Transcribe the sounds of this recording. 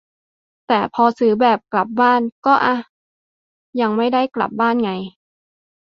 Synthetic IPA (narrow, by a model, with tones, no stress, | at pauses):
t̪ɛː˨˩pʰɔː˧sɯː˩˦bɛː˨˩p̚kla˨˩p̚baː˥˩nkɔː˥˩ʔa˧ | ja˧ŋma˥˩jda˥˩jkla̰˨˩p̚baː˥˩˨nŋa˧j